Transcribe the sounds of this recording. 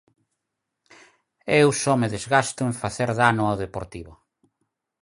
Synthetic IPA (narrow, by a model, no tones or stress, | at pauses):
ewsɔmeðezɣast̪ʊeɱfaθeɾðanʊawðepoɾt̪iβʊ